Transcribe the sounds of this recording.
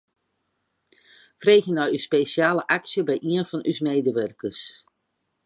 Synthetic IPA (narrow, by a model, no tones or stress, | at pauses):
freːxjənɔjyspeːsjaːləʔaksjəbɛjʔiənfɔnʔysmeːdəʋørkəs